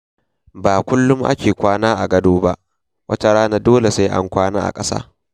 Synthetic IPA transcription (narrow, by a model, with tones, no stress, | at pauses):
baː˨kʷʊ˦lːʊ˦mʔa̰˦kʲeː˨kʷaː˦naː˦ʔa˨ɡɐ˦doː˦ba˦ʔ | wʔɐ˦ta˨ɽaː˦na˦doː˦le˨sa˦ʔa̰˦ŋkʷaː˦na̰ː˦ʔa̰˨kʼɐ˦sa̰ː˦